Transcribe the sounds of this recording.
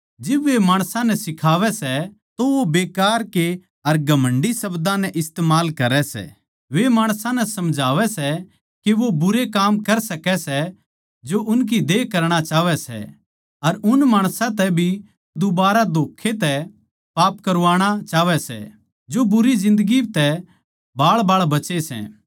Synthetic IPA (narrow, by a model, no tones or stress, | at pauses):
d͡ʒɪbʋemaːɽ̃sãnɛsɪkʰaːʋɛsɛ | t̪oʋobeːkaːɾke | ɐɾɡʱɐmə̃ɳɖisɐbd̪ãnɛʔɪst̪eːmaːlkɐɾɛsɛ̰ː | ʋemaːɽ̃sãnɛsɐmd͡ʒʱaːʋɛsɛ | keʋobʊɾekaːmkɐɾsɐkɛsɛ | d͡ʒoʔʊnk̬id̪eːkɐɾɽ̃at͡ʃaːʋɛsɛ̰ | ɐɾʊnmaːɽ̃sãt̪ɛbʱi | d̪ʊbaːɾad̪oːkʰet̪ɛ | paːpkɐɾʋaːɽ̃at͡ʃaːʋɛsɛ̰ | d͡ʒobʊɾid͡ʒɪ̃nd̪əɡit̪ɛ | baːɭbaːɭbɐt͡ʃesɛ̰ː